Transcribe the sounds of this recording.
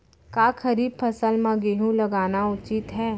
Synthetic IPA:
kaːkʰɐɾiːb̚pʰɐsəlmãɡeːɦũlɐɡaːnaʊt͡ʃit̪ɦɛː

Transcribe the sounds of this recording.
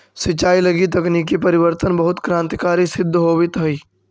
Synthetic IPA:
sɪt͡ʃːaːilɐɡit̪̬ɐkniːk̬ipɐɾɪwəɾt̪ənbɐɦʊt̪kɾãːnt̪ɪkaːɾisɪd̪ʱːɦoːwit̪ɐiː

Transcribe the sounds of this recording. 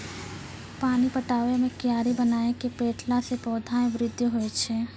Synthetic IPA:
paːnipəʈaːʋemẽkijaːɾibənaːekepeːʈlasepɔːd̪ʱaẽʋɾɪd̪ʱjəɦoet͡ʃʰeː

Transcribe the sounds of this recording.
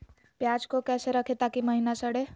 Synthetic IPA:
pjad͡ʒkokɛseɾəkʰet̪akiməɦinasəɽe

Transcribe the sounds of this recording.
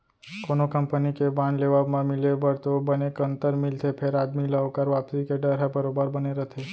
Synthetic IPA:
konokəmpənikebãnɖleʋabmãmɪlebəɾt̪obənekə̃nt̪əɾmɪlt̪ʰepʰeɾaːd̪miləʋkaɾʋapsikeɖəɾɦebəɾobəɾbəneɾət̪ʰe

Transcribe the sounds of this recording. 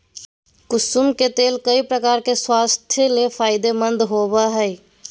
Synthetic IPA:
kʊsumket̪eːlkəipɾəkaːɾkeswast̪ʰjlepʰaːɪd̪emənd̪ʱɦobəɦəj

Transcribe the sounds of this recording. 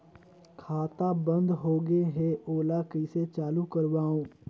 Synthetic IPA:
kʰaːt̪abə̃nd̪ɦoːɡeɦɛʔoːlakiset͡ʃaːlukɐɾwaːõː

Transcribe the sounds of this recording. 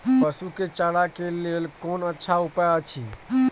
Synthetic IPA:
pəsuket͡ʃaɽakelelkonətːʃʰaupɛət͡ʃʰi

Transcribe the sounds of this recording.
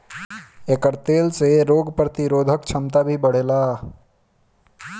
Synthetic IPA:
eːkəɾt̪eːlseɾoːɡpɾət̪ɪɾoːd̪ʱəkt͡ʃʰɐmt̪abʱibɐɽ̤eːlaː

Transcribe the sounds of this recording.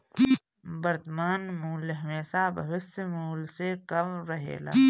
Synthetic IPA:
bɐɾt̪maːnmuːlɦɐmeːsabɐ̰ʋɪsmuːlsekɐmɾɐɦḛːla̰ː

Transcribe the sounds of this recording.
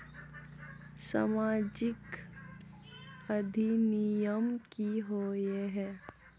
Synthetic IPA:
sa̰maːd͡ʒɪk | ɐd̪ʱinijəmkiɦoːjeɦɛː

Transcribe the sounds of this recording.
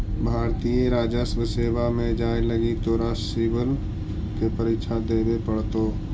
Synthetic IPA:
bʱaːɾt̪ijeɾaːd͡ʒəsʋəseːʋamẽd͡ʒaːeləɡit̪oɾaːsibəl | kepəɾikʃʰad̪eːbepəɽt̪oː

